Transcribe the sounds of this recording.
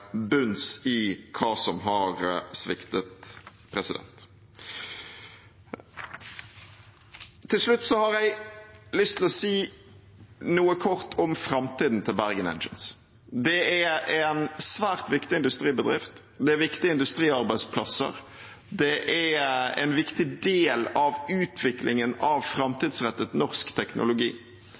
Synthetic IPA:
bʉnsɪkʰɑːsɔmɦɑɾsʋɪ̰kt̪ət̪ | pʰɾɛsɪd̪ɛ̰nt̪ | t̪ʰɪlʂlʉt̪ːsɔhɑɾjæɪlʏst̪ʰːɪlɔsiː | nuːəkʰɔʁt̪ʰɔmfɾɑmt̪iːd̪n̩t̪ʰɪlbæʁɡənɛ̰nd͡ʒə̰ns | d̪ɛæɛnsʋæːʁt̪ʋɪkt̪ɪɪnd̪ʉst̪ʁiːbəd̪ʁɪ̰ft̪d̪ɛæʋɪkt̪ɪəɪnd̪ʉst̪ʁiːɑʁbæɪspʰlɑ̰sə̰ʁ | d̪ɛʔæɛ̰nʋɪkt̪ɪd̪eːlɑʋʉːt̪ʰʋɪklʔɪŋənɑʋfɾɑmt̪iːd̪sʁɛt̪ːət̪nɔʁskt̪ʰɛknʔʊ̰lʊɡḭː

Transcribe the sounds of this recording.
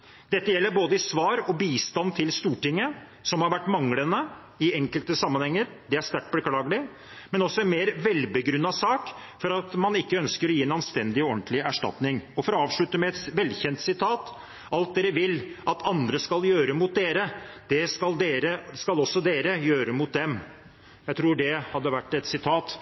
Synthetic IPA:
d̪ɛt̪ːəjɛlːəɾboːd̪əɪsʋɑːɾɔbiːst̪ɑnt̪ʰɪlst̪uːʈɪŋːə | sɔmhɑɾʋæʈːmɑŋlənə | ɪɛŋkəlt̪əsɑmːənhɛŋːəɾ | d̪ɛæʂt̪æʈ̚blkʰlɑːɡəlɪ | mɛnɔsːɔɛnmeːɾʋɛlbəɡɾʉnːɑsɑːkfɔɾɑt̪mɑnɪkːəœnskəɾɔjiːɛnɑnst̪ɛnd̪ɪɔnt̪lɪæʂʈɑ̰t̪nɪŋɔfɔɾɔɑːʋʂɭʉt̪ːəmɛɛt̪ʋɛlːçɛnt̪sɪt̪ʰɑːt̪ | ʔɑlt̪̚d̪eːɾəʋɪlɑt̪ʰɑnd̪ɾəskɑljøːɾəmʊt̪̚d̪eːɾəd̪̥ɛskɑld̪eːɾəskɑlɔsːɔd̪eːɾəjøːɾəmʊt̪̚d̪ɛm | jæɪt̪ʰɾuːɖɛhɑd̪ːəʋæʈːɛt̪sɪt̪ʰɑːt̪

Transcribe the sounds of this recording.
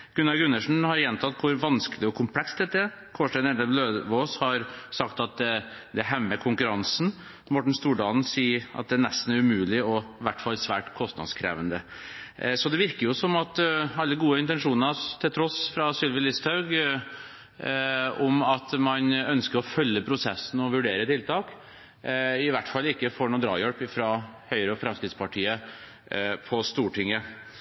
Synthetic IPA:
ɡ̥ʉnɑlɡʉnːəʂn̩hɑɾjɛnt̪ʰɑt̪ːkʰʊɾʋɑnskəlɪɔkʰʊmpʰlɛksd̪ɛt̪ːəæɾ | kʰoːʂʈæɪnɛd̪əbløːd̪ʋoːshɑɾsɑkt̪ɑt̪̚d̪ | d̪ɛɦɛmːəkʰʊŋkʉɾɑnsn̩ | mɔʈɳ̩st̪uːɖɑːln̩siːʔɑ̰t̪̚d̪ɛæɳɛst̪n̩æɾʉmʉːlɪɔʋæʈːfɑlːsʋæ̰ːʈkʰɔst̪nɑ̰d̪skʰɾḛːʋənd̪ə | sɔd̪ɛʋɪɾkəɾjʊsɔmɑt̪ɑlːəɡuːəɪnt̪ɛnʂuːnənɑt̪ʰɪlt̪ʰɾɔsfɾɑsʏlʋəlɪst̪hɑʉɡ | ɔmɑt̪mɑnœnskəɾɔfœlːəpʰɾʊsɛsːn̩ɔʋʉɖeːɾət̪ʰɪlt̪ʰɑːk | ɪʋæʈːfɑlːɪkːəfoːɳuːd̪ɾɑ̰ːjœlpɪfɾɑhœʏɾəɔfɾɑmskɾɪd̪spɑʈʰiːə | pʰɔst̪uːʈʰɪŋːə

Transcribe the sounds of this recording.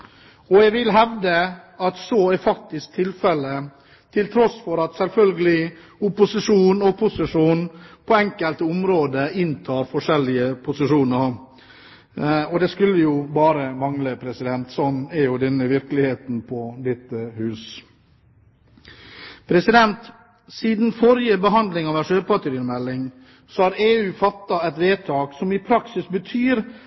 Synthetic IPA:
ɔjæʋɪlɦɛʋd̪əɑt̪sɔːæɾfɑk̚t̪ɪsk̚t̪ʰɪlfɛlə | t̪ʰɪlt̪ʰɾɔsfɔɾɑt̪sɛlfœlɡəlɪ | ʊpʊsɪʂuːnɔpʰʊsɪʂuːnpʰɔɛŋkəlt̪əʊmɾoːd̪əɪnt̪ʰɑːɾfɔʂɛlːɪəpʰʊsɪʂuːnəɾ | ɔd̪ɛskʉlːəjʊbɑːɾəmɑŋləpʰɾɛsɪd̪ɛnt̪sɔnːæɾjʊd̪ɛnːəʋɪɾkəlɪheːt̪n̩pʰɔd̪ɛt̪ːəhʉːs | pʰɾɛsɪd̪ɛnt̪ | siːd̪nfɔɾɪəbəɦɑnd̪lɪŋɑʋæʂøːɾpɑt̪əɾiːəmɛlːɪŋ | sɔhɑɾeːʉːfɑt̪ːɑɛt̪ʋeːt̪ʰɑːksɔmɪpʰɾɑksɪsbət̪ʰyːɾ

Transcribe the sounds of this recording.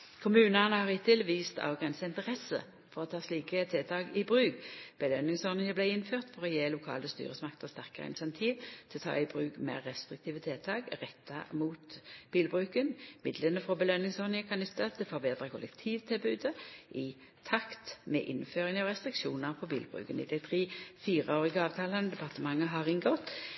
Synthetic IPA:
kʰʊmʉːnənəhɑʁhɪt̪ʰɪlʋiːst̪ʰɑ̰ʋɡʁɛnsəɪnt̪əʁɛsə̰ | fɔʁɔt̪ʰɑːsliːkət̪ʰɛlt̪ʰɑːɡɪbʁʉːkb̥əlœnːɪŋsɔnɪŋəblæɪɪnføːʁt̪fɔʁɔjeːlʊkʰɑ̰ːləst̪y̰ːʁəsmɑkt̪əʁst̪æʁkəʁəɪ̰nsɛnt̪ʰiːʋt̪ʰɪlt̪ʰɑ̰ːɪbʁʉːkmḛːʁːɛst̪ʁɪk̚t̪ʰiːʋət̪ʰɛlt̪ʰɑːɡʁɛt̪ʰːɑmuːt̪b̥iːlbʁʉːkənmɪd̪lənəfʁɔbəlœnːɪŋsɔːʁnɪŋəkʰɑnʉt̪ːɑt̪ʰːɛfɔbeːd̪ʁəkʰʊlɛ̰kt̪ʰiːʋt̪ʰɪlbʉːd̪əʔɪ | t̪ʰɑkt̪mɛ̰ʔɪnføːʁɪŋəɑʁɛst̪ʁɪkʃuːnəʁpʰɔbḭːlbʁʉ̰ːkənɪ̰d̪ɛɪt̪ʰʁiːfiːʁəoːʁɪɡəɑːʋt̪ʰɑːlənəd̪ɛpʰɑʁt̪əmɑŋːəɦɑʁɪŋɡɔt̪

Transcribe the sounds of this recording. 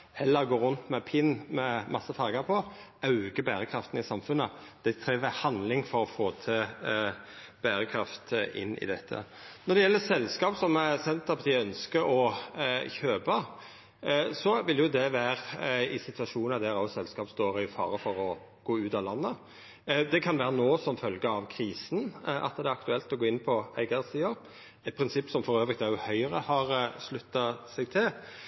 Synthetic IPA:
hɛlːəɾɡoːɾʉnt̪mɛpʰɪnːmɛmɑsːəfɑɾɡɑpʰɔɑʉɡəbæːɾəkʰɾɑft̪ən̩ɪsɑmfʉnːəd̪̥ɛt̪ʰɾiːʋəhɑnlɪŋfɔɾɔfoːt̪ʰɪ | b̥æːɾəkʰɾɑft̪ʔɪ̰nːɪ̰d̪ɛt̪ʰːə̰nɔd̪ɛjɛlːəsɛlskɑːpsɔmæsɛnt̪əɾpʰɑt̪ʰiːəœnskəɾɔ | çøːbə | sɔʋɪljʊd̪ɛʋæːʁɪsɪt̪ʰʉɑʂuːnɑd̪æɾɑsɛlskɑːpst̪oːɾɪfɑ̰ːɾəfɔɾɔ | ɡ̥oːʉːt̪ɑlɑnːə | d̪ɛkʰɑnʋæːɾənoːsɔmfœlɡəɑʋkʰɾiːsnʔɑ̰t̪d̪ɛæɾɑkt̪ʉɛlt̪ɔɡoːɪnpʰɔæ̰ɪɡɑɾəsiːəɾ | ɛt̪̚pʰɾɪnsɪpːsɔmfɔɾøːʋʁɪkt̪æjʊhœʏəʁəhɑɾslʉt̪ːɑsɛɡ̚t̪ʰɪl

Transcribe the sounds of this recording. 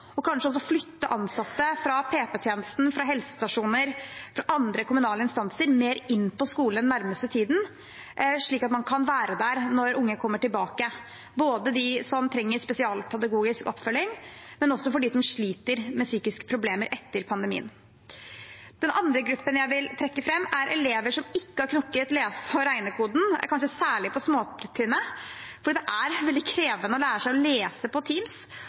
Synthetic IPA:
ɔkʰɑnʂəɔs̬ɔflʏt̪ːəʔɑnsɑt̪ːəfɾɑpʰeːpɛt̪ʰjeːnəst̪n̩fɾɑɦɛlsə̥st̪ɑʂuːnəɾfɾɑʔɑnd̪ɾəkʊmʉnɑːləɪnst̪ɑnsəɾmeːɾɪnːpʰɔskuːlənːæɾməst̪ət̪ʰiːd̪n̩ | ʂɭiːkɑt̪mɑnkʰɑnʋæːɾəd̪æɾnɔɾʊŋːəkʰɔmːəʈɪlbɑːkə | boːd̪əd̪ɪsɔmt̪ʰɾɛŋːəspɛsɪɑːlpʰɛd̪ɑɡuːɡɪskɔ̰pːfœlːɪŋmɛnɔsːɔfɔɖɪsɔmʂɭiːt̪əɾmɛsyːkɪskə̥pʰɾʊbleːməɾʔɛt̪ːəɾpʰɑnd̪əmḭːə̰n | d̪̥ɛnɑnd̪ɾəɡɾʉpːənjæɪʋɪlt̪ʰɾɛkːəfɾɛmːæɾʔɛleːʋəʂɔmɪkːəhɑɾkʰnʊkːət̪leːsɔɾæɪnəkʰuːd̪n̩̰kʰɑnʂəsæːɭɪpʰɔsmoːt̪ʰɪnːə | fɔɖiːd̪ɛʔæɾʋɛld̪ɪkʰɾeːʋənəɔlæːɾəʂæɪɔleːsəpɔt̪ʰiːms

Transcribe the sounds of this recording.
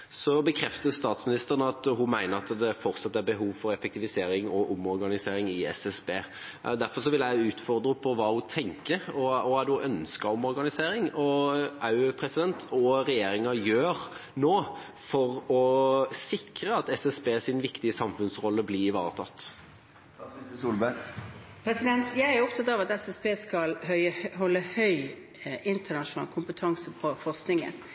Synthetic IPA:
sɔbəkʰɾɛft̪əst̪ɑːt̪smɪnɪst̪əʁənəɑt̪ɦʊmæɪnəɾɑt̪d̪ɛfɔɾt̪sɑt̪ːæɾbəɦuːʋfɔɾɛfɛkt̪ɪʋɪseːɾɪŋɔʔʊmɔɾɡɑnɪseːɾɪŋɪɛ̰sɛsbeː | d̪æɾfɔʂɔʋɪlæɪʉːt̪fɔʁd̪ɾəpʰɔʋɑːhʊt̪ʰɛŋkəɾɔɔæd̪ɛʊʔœnskɑɾɔmɔɾɡɑnɪseːɾɪŋɔʔɑʉpʰɾɛsɪd̪ɛnt̪ʰɔɾɛjeːɾɪŋɑjøːɾnoː | fɔʁɔsɪkɾəɑt̪ɛsɛsbeːsɪnʋɪkt̪ɪəsɑmfʉnsʁɔlːəblɪɪʋɑ̰ːɾət̪ʰɑ̰t̪ː | uːlbæ | pʰɾɛsɪd̪ɛnt̪jæɪæɾɾʊpt̪ʰɑt̪ɑːʋɑt̪ɛsɛspeːskɑlɦœʏəhɔlːəhœʏ | ʔɪnt̪ənɑʃʊnɑ̰ːlkʰʊmpət̪ʰɑŋsəpʰɔfɔʁsknɪŋə̰n

